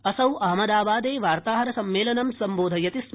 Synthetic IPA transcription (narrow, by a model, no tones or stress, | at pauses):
ɐsɐwɐɦɐmɐd̪aːbaːd̪eːʋaːɾt̪aːɦɐɾɐsɐmːeːlɐnɐmsɐmboːd̪ʱɐjɐt̪is